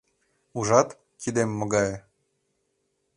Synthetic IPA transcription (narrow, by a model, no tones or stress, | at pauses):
uʒɑt̪ | kʰid̪emːoɣɑj